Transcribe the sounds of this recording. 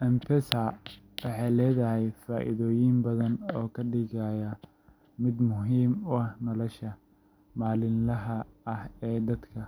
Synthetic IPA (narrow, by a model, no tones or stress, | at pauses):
ʔɐmpʰɛsɐ | wɑħɑjlɛːðɐɦɛjfaːʔɪ̰ðɔːjɪmbɐðɐnɔːkʰɐɖɪɣaːjɐ | mɪd̪mʊɦiːmʊɐhnɔlɔʃɐ | maːlɪnlɐɦɐːhɛːd̪ɐd̪kʰɐ